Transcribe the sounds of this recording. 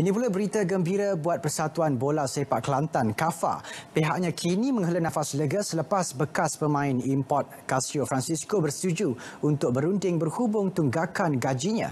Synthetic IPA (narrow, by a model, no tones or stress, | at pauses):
inĩpulabəɾit̪aɡəmbiɾabuat̪̚pərsat̪uanbolasepaʔkəlant̪ankafa̰peɦaʔ̚ɲãkʰinĩmə̃ŋɦələnãfasləɡəsələpasbəkaspəmãɪnimpɔt̪̚kasiofɾansiskobərst̪ud͡ʒuunt̪ʊk̚bəɾundɪŋbərhubʊŋt̪uŋɡakanɡad͡ʒiɲã̰